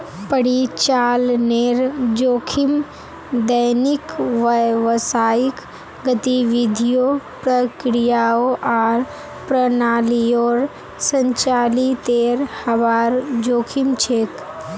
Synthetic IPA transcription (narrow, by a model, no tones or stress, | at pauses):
pəɽit͡ʃaːlneɾd͡ʒoːkʰim | d̪əjnikʋəjʋəsaːik | ɡət̪iʋid̪ʱijopɾəkɾijaːoʔaːɾ | pɾənaːliɔːɾ | səɲt͡ʃaːlit̪eːɾhɐʋaːɾd͡ʒoːkʰimt͡ʃʰeːk